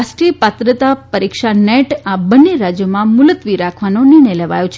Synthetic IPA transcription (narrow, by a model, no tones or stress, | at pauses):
asʈɾiəpat̪ɾət̪apəɾikʃaneʈabəneɾad͡ʒjəmãmʊlət̪ʋiɾakʰʋanoniɳ̃əjləʋa̰jõt͡ʃʰ